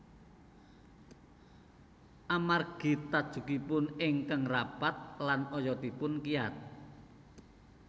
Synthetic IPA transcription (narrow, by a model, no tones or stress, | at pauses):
ʔamarɡ̥i̤t̪ad̥ʒ̥ṳkipʊnɪŋkəŋrapat̪̚lanɔjɔd̪ipʊnkiat̪̚